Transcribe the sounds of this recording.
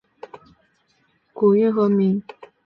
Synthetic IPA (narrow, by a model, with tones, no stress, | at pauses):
ku˨˩y˥˩nxɤ˧˥mi˧˥ŋ